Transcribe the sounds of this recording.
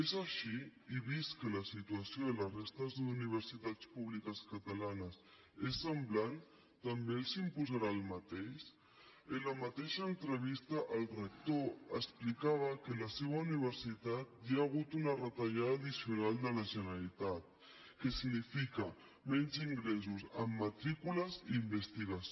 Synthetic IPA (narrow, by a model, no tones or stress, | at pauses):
ezaʃiiβiskələsit̪uasjoðələrest̪əzðuniβ̞əɾsit̪at͡spuβlikəskat̪alanəs | esːəmblan | t̪ambelsimpuzaɾaːlmat̪eʃ | ələmat̪eʃaːnt̪ɾəβ̞ist̪əʔəlrək̚t̪oəsplikaβ̞əkələseβauniβ̞əɾsit̪at̪̚jaːɣ̞ut̪unərət̪aʒaðaðisjunald̪ənasjunalit̪at̪̚ | kəsinifikə | mɛnziŋɡɾezuzəmːat̪ɾikuləzːmbəst̪iɣas